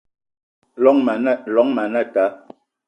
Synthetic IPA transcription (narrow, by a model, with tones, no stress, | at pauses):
lɔ˨˦ŋm˨˦˨lɔ˨˦ŋma˨nɛ˦˨ta˨˦